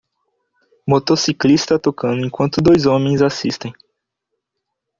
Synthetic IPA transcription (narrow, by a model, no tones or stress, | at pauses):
mot̪osiklist̪ɐt̪okɐ̃nd̪ʊẽkwɐ̃nt̪ʊd̪ojzõmẽj̃zasist̪ẽj̃